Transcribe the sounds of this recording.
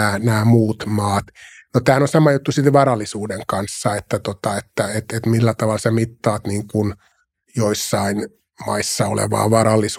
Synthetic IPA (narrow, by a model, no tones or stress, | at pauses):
æːnæːmuːt̪mɑːt̪ | not̪æːænosɑmɑjut̪ːusit̪ʋɑrɑlːisuːdeŋkɑnsːɑet̪ːæt̪ot̪ɑet̪ːæet̪et̪milːæt̪ɑʋɑlsemit̪ːɑːt̪niːŋkun | joisːɑin | mɑisːɑo̰lḛʋɑ̰ːʋɑɾɑlːˑis